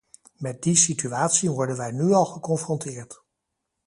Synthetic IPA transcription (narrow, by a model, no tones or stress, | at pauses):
mɛt̚disityaːtsiʋɔɹdənʋɛjnyɑlˠχəkɔnfrɔntɪːɹt